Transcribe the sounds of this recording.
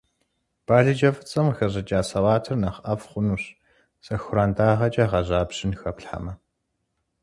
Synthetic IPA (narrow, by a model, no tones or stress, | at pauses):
b̥aːɮɨd͡ʒɐfɨt͡sʼɐmxɐʑɐd͡ʒʼaːsɐwaːtʰɨrnɐχɐfχʷʊnuːɕ | sɐxʷʊɾaːndaːʁɐt͡ʃʼɐʁɐʑaːbɕɪnxɐpɬħa̰mɐ